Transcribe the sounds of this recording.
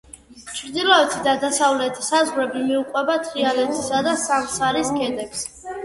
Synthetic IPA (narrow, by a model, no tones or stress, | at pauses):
t͡ʃʰɾd̪ilˠɔɛt̪ʰid̪ad̪asavlɛt̪ʰi̥sazʁɾɛbimiuqʼwɛbat̪ʰɾialɛt̪ʰisad̪asamsaɾisɡʰɛd̪ɛks